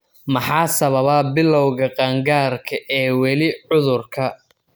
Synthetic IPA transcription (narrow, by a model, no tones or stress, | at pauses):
mɐħɑːsɐβɐβɐbɪlːɔwɣɐqɑːŋɡaːrkʰɐʔɛːwɛlɪʕʊðʊrkʰɐ